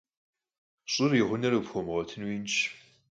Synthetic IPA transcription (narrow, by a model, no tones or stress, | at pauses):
ɕʼɪriʁʷʊnɐrɨfxʷɔmʁɔtʰɨnwiːnt͡ʃʰ